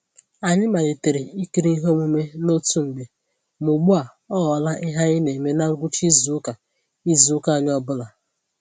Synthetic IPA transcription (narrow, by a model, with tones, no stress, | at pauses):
a˨ɲɪ˦ma˨le˨te˨ɾe˨i˦ki˨ɾi˦n̩˦ɦo˦mu˦me˦no˦tu˦ŋ͡m̩˨ɡ͡be˨ | mu˨ɡ͡bu˦a˨ | ɔ˦ɣɔ˨la˦ʔɪ˦ɦa˦ɪ˦ne˨me˦na˦ɡʷu˦t͡ʃi˦zu˨˦ka˨ | i˦zu˨˦ka˦˨ɲ˦ɔ˦bʊ˦la˨